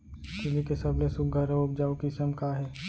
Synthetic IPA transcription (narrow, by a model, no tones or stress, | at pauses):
kɪlikesəblesʊk̚ɡʱəɾeʊp̚d͡ʒaːokisəmkaɦɛː